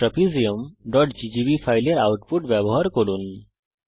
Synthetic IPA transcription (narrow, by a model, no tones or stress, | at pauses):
ɾəpʰid͡zijəmɖɔʈd͡ʑid͡ʑibifajljaɾawʈpuʈʋjaboɦaɾkəɽuːn